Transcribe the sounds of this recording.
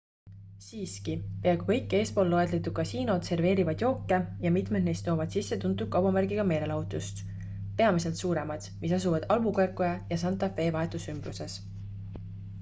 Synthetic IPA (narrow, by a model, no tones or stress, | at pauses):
siːskipeɑɡukɤ̞jkːe̞ːspo̞ːlːo̞e̞d̪le̞t̪ːˑu̥kɑsiːno̞d̪̥se̞rve̞ːɾivɑd̪̥jo̞ːkːejɑmit̪me̞d̪ne̞jst̪ːˑo̞ːvɑd̪̥sisːe̞t̪unt̪ːˑud̪̥̚kɑwbɑmærɡiɡ̥ɑme̞ːɾe̞lɑut̪ˑust̪ | pe̞ɑmis̬e̞lt̪suːɾe̞mɑd̪̥misɑsuvɑd̪̥ɑlmukerkˑojɑjɑsɑnt̪ːˑɑfe̞ːvɑɦe̞t̪ːˑusymb̥ruse̞s